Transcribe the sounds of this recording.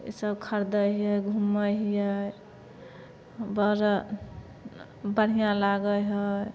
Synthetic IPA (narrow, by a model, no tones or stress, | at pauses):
ḭsəbkʰəɾd̪əɦəjɡʱuməɦijə | bəɾə | bəɽ̤ijãlaɡəjɦəj